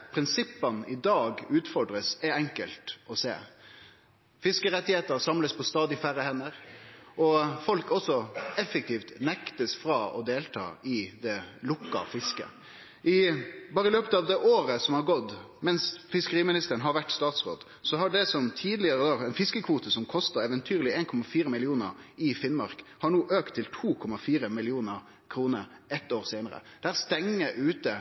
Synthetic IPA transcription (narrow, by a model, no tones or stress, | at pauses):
pʰɾɪnsɪpːɑnɪd̪ɑːɡʉːt̪fɔɖɾəsɛɾɛŋkəlt̪ɔsḛː | fɪskəɾɛt̪ːɪheːt̪əɾsɑmləspʰɔst̪ɑːd̪ɪfæɾəhɛnːəɾʔɔfɔlkɔsːɔɛfːɛk̚t̪ʰiːft̪nɛkt̪əsfɾɑɔd̪eːlt̪ʰɑ̰ːɪd̪ɛlʊkːɑ̰fɪskə̰ | ʔɪbɑːɾəɪløːpət̪ɑːʋd̪ɛʔoːɾəsɔmhɑɾɡɔd̪ | mɛnsfɪskəɾiːmɪnɪst̪əɾənɦɑɾʋæʈːst̪ɑːt̪sʁo̰ːd̪ | sɔɦɑɖɛsɔmt̪ʰiːd̪lɪəɾəd̪ɑːɛnfɪskəkʰʋuːt̪əsɔmkʰɔst̪əɾɛːʋənt̪ʰyːɾlɪeːnkʰɔmɑfiːɾəmɪlɪuːnə̰ɾɪfɪnmɑɾkhɑɾɳuːʔøːkt̪ʰːɪlt̪ʰuːkʰɔmɑfiːɾəmɪlɪuːnəɾ | kʰɾuːnəɾɛt̪ːoːɾseːnəɾə̰d̪̥æːɾst̪ɛŋːəʔʉːt̪ə